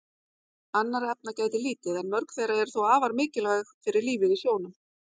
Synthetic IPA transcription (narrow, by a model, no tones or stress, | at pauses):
anːaɾɛp̚nacaːjt̪ɪliːt̪ɪðɛnmœɾkθejɾaɛɾ̥θowaːvaɾmɪːcɪlaxfɪɾɪɾliːvɪðɪsjoːwnʏm